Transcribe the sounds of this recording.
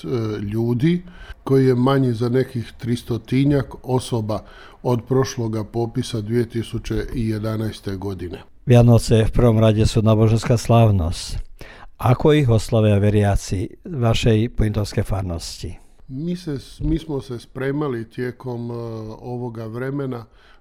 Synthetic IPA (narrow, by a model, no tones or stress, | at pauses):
ʎuːd̪ikojijemaɲizanekixt̪ɾist̪ot̪iɲako̞soba | od̪pɾoʃloɡapopisad̪ʋiet̪isut͡ʃeʔijed̪anajst̪eɡod̪ine | ʋjanɔsɛfpr̩ʋɔmɾaɟɛsuːnaːboʒɛnskaːslaːʋnɔ̰sc | akɔiɣɔslaʋjaʋɛɾɪat͡siʋaʃɛjpɔint̪ɔʊskɛjfaːɾnɔsci | misemiːsmosɛspɾeːmalit̪jekomoʋoɡaʋɾemena